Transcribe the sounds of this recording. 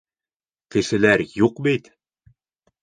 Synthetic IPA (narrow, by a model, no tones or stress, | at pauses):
kɘ̆ʃɘ̆læɾjuqbit̪